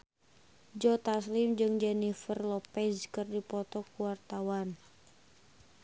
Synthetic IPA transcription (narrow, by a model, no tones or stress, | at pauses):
d͡ʒɔt̪aslɪmd͡ʒɨŋd͡ʒɛnifərlɔpɛskɨrdipɔt̪ɔkuwart̪awan